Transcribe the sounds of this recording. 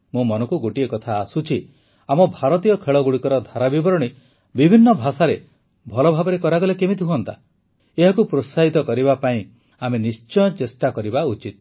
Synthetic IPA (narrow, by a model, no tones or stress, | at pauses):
mũmɔnɔŋkuɡoʈiekɔt̪ʰaːsut͡ʃʰi | amɔbʱaɾɔt̪ijɔkʰeɭɔɡuɽikɔɾɔd̪ʱaɾabibɔɾɔɽ̃i | bibʱinːɔbʱasaɾe | bʱɔlɔbʱabɔɾekɔɾaɡɔlekemit̪iɦuɔnt̪a | eɦakupɾosaɦit̪ɔkɔɾibapaĩ | amenist͡ʃɔj̃ɔ̃t͡ʃesʈakɔɾibaut͡ʃit̪̚